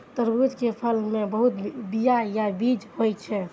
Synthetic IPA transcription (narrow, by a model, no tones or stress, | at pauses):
t̪əɾbud͡ʒkepʰəlmebəɦut̪bijajabid͡ʒhojt͡ʃʰɛ